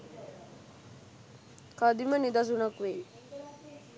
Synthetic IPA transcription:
kad̪imənid̪as̬unakʋe

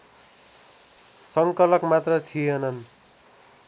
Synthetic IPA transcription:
sʌŋkʌlʌkmat̪rʌt̪ʰienʌn

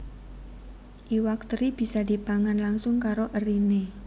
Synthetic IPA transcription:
ʔiwakt̪ɾib̥i̤sad̥i̤paŋanlaŋsʊŋkaɾoʔərine

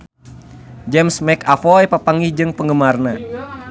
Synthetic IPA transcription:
d͡ʒɛmsmɛkafɔjpapaŋihd͡ʒɨŋpəŋɡəmarna

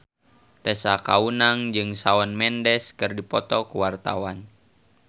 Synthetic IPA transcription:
t̪ɛsakaunaŋd͡ʒɨŋsaɔnmɛndɛskɨrdipɔt̪ɔkuwart̪a̰wan

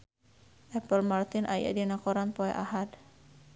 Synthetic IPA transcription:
ʔɛpəlmart̪inʔa̰ja̰dinakɔɾanpɔɛ̰ʔaɦad̪

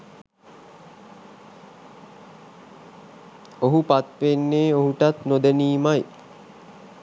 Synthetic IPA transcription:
oɦupat̪ʋenːeːoɦuʈat̪nod̪eniːmaj

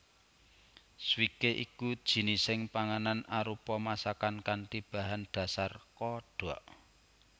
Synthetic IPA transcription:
swikeʔikud̥ʒ̥i̤nisɪŋpaŋananaɾupɔmasakankant̪ib̥ä̤ɦanɖ̥a̤sarkɔɖ̥ɔʔ

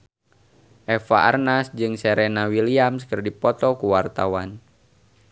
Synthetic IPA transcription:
ʔɛfaʔa̰rnasd͡ʒɨŋsɛɾenawiliamskərdipɔt̪ɔkuwart̪awan

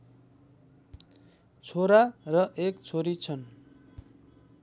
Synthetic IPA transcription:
t͡sʰoɾarʌʔekt͡sʰoɾit͡sʰʌn

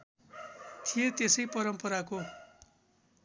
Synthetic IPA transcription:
t̪ʰijet̪esʌjpʌɾʌmpʌɾako

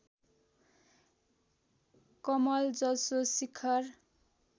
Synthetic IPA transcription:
kʌmʌld͡zʌsosikʰʌr

